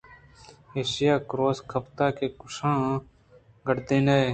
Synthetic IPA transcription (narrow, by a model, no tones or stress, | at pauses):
eːʃɪjaːkɾoːskʰəpt̪aːkeːkʊʃãː | ɡəɽd̪ẽːnee